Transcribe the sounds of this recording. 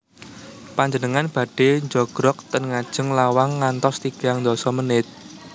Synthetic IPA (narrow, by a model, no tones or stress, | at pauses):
paɲd͡ʒənəŋanb̥a̤ɖ̥e̤ɲd͡ʒɔɡ̥ɾɔk̚t̪ənŋad̥ʒ̥ə̤ŋlawaŋːant̪ɔst̪iɡ̥aŋnd̪ɔsɔmənɪt̪̚